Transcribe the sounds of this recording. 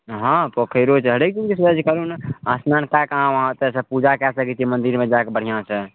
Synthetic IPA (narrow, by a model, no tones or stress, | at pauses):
ɦãpokʰəjɾot͡ʃʰɦəɽek̚d͡ʒud͡ʒisəd͡ʒkəɾunasnankakãʋəɦãt̪əsəpud͡ʒakɛsəkit͡ʃʰimənd̪iɾmẽd͡ʒakebəɽ̤ijãsə